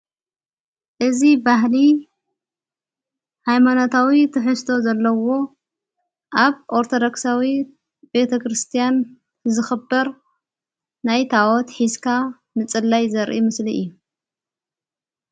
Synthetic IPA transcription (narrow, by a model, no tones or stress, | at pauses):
ʔɨzibaɦli | hajmanot̪ʰawit̪ʰɨħɨst̪ʰo̞zɐlːɐwo̞ | ʔaβʔoɾt̪ʰo̞d̪oksawi | be̞t̪ʰɐkɾɨst̪ʰijan | zɨxɨbːɐɾ | najt̪ʰawɔt̪ħiskʰa | nɨt͡sʼɨlːajzɐɾʔḭmɨsliʔɨ̰jːu